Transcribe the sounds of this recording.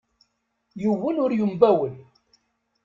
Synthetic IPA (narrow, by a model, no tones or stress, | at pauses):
jəwːənʊɾjumbæwəl